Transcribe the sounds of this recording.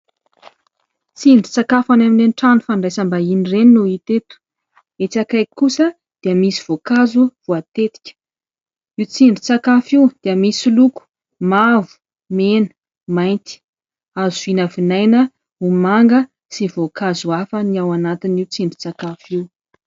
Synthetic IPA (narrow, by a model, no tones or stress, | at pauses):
t͡siɳɖ͡ʐit͡sakafanaminenʈ͡ʂanufaɳɖ͡ʐajsambainirennuit̪et̪u̥ | et͡sakajkusə | d̪̥eəmisiv̥okazuv̥uat̪et̪i̥kʲə̥ | iwt͡siɳɖ͡ʐit͡sakafiud̪̥eəmisiluku̥ | mavu̥ | menə̥ | majnt̪i̥ | azuvinavinajnə | umaŋɡə | sivokazuafəniawanat̪iniut͡siɳɖ͡ʐi̥t͡sakafiw